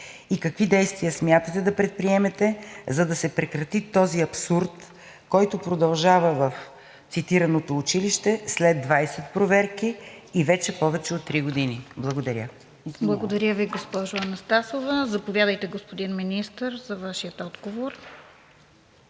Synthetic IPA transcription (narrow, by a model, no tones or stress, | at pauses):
ikɐkvid̪ɛjst̪vijəsmʲjat̪ət̪ɛd̪ɐpɾɛt̪̚pɾiɛmɛt̪ɛzɐd̪ɐsɛpɾɛkɾɐt̪it̪ɔziɐpsuɾt̪ | kɔjt̪ʊpɾod̪ɐlˠʒavəvɐf | t̪sit̪iɾɐnot̪oːt͡ʃiliʃt̪ɛslɛd̪vajsɛt̪pɾovɛɾkiːvɛt͡ʃɛpɔvɛt͡ʃɛot̪ːɾiɡod̪iniblˠɐɡod̪ɐɾʲə | blˠɐɡod̪ɐɾʲəviɡospɔʒʊɐnɐst̪asovɐzɐpovʲjad̪əjt̪ɛɡospod̪inminist̪əɾzɐvaʃijət̪ɔd̪ɡovoɾ